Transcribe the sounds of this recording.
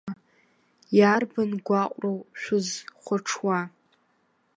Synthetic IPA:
jarbanɡʷaqʷʼrowʃʷᶣʊzχʷʊʈ͡ʂʰwa

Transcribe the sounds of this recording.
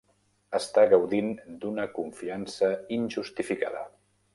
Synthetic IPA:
əst̪aɣəwðind̪unəkuɱfiansəinʲʒust̪ifika̰ðə̰

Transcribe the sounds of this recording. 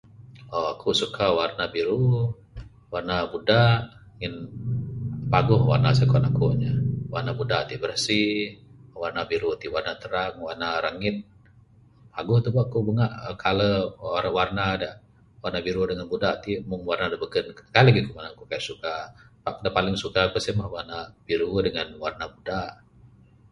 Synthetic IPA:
ɔakʰusukʰawarnabiɾu | warnabudaʔ | ŋɪn | paɡʊhwa̰rnasakɔnakuɲəwa̰rnabudaʔt̪ibərsi | warnabiɾut̪iʔwarnat̪əɾaŋwarnaɾaŋɪt̪̚ | paɡʊht̪ubaʔkubuŋaʔkʰaləoɾawarnada | warnabiɾudəŋanbudaʔt̪iʔmʊŋwarnadabəɡənkkaləɡikumanakukajaʔsukapaʔdapalɪŋsukapəsimahwarnab̥iɾudəŋanwarnabudaʔ

